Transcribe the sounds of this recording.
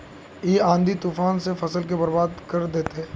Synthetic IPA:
jeːãːnd̪it̪uːfaːnsefɐsəlk̬ebɐɾbaːd̪kɐɾd̪eːt̪eɦɛː

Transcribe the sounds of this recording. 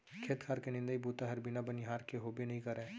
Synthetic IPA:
kʰeːt̪kʰaːɾkenɪ̃nd̪əibuːt̪aɦɐɾbɪnabɐniɦaːɾkeɦobenɐɦĩkɐɾẽː

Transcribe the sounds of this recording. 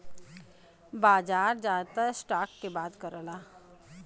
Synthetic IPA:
baːd͡ʒaːɾd͡ʒaːt̪əsʈaːkːebaːd̪kəɾəlaː

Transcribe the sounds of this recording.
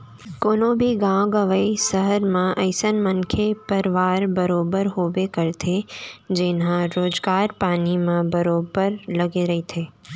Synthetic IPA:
koːnõbʱiɡãɡəʋəisɐɦəɾmãʔɐɪsənmɐnkʰepɐɾʋaːɾbɐɾoːbəɾɦoːʋekɐɾt̪ʰed͡ʒenɦãɾoːd͡ʒɡaːɾpaːnimãbɐɾoːbəɾlɐɡeɾɐɦit̪ʰeː

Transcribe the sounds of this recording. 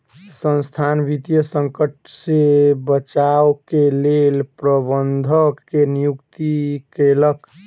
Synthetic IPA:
sə̃nst̪ʰanbit̪jəsəŋkəʈsebət͡ʃawkelelpɾəbənd̪ʱəkːenijukt̪ikelək

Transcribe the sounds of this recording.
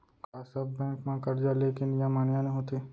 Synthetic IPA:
kaːsəbbɛ̃ːkmãkɐɾd͡ʒaleːkɪnjamaːnjãnẽɦoːt̪eː

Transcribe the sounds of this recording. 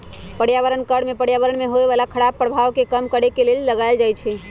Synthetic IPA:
pəɽjaʋəɾənkəɽmepəɽjaʋəɾənmeɦoeʋalakʰəɽabpːɾəbʱaʋkekəmkəɽekelelləɡajld͡ʒajt͡ʃʰɛ

